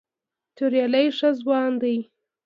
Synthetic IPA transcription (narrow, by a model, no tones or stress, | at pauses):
t̪ʊɾjɑlajʂazwɑnd̪aj